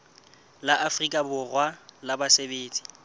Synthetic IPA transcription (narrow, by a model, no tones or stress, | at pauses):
laʔafrikʼabʊrwalabasebeːt͡sʼi̥